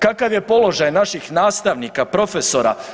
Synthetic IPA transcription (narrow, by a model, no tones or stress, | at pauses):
kakaʋjepo̞lo̞ʒajnaʃixnaːst̪aʋnikapɾo̞feso̞ɾa̰